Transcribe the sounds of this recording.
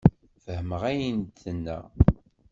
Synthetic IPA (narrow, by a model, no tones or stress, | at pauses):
fəhəməʁæjənt̪ːənːæ̰